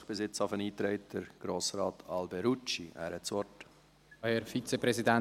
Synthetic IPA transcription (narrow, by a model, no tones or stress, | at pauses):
χb̥ɪsɪt͡safəniːtɾɛɪt̚dəɾɡ̥ɾoːsɾɑːtʰɑlbɛɾut͡ʃiæ̰ːɾhɛtsɔɾt | hɛɾfit͡sepɾɛsidɛ